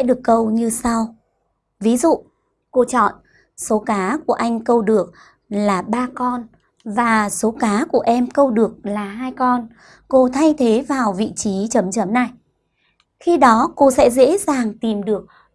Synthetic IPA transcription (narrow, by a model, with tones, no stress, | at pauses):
ɛ̰˧˥ɗɨ˨˩əkːə˧wɲɨ˧sa˧w | vi˨˦zṵ˧˨ | ko˧t͡ɕɔ̰˧˨n | so˨˦kaː˨˦ku˧˩əʔa˧jŋ̟kə˧wɗɨ˨˩ək̚ | laː˨˩ɓaː˧kɔ˧n | vaː˨˩so˨˦kaː˨˦ku˧˩əʔɛ˧mkə˧wɗɨ˨˩ək̚laː˨˩ɦaː˧jkɔ˧n | ko˧t̪ʰa˧jt̪ʰe˨˦vaː˨˩wvḭ˧˨t͡ɕi˨˦t͡ɕə˨˦mt͡ɕə˨˦mna˨˩j | xi˧ɗɔ˨˦ko˧sɛ̰˧˥zḛ˧˥zaː˨˩ŋt̪i˨˩mɗɨ˨˩ək̚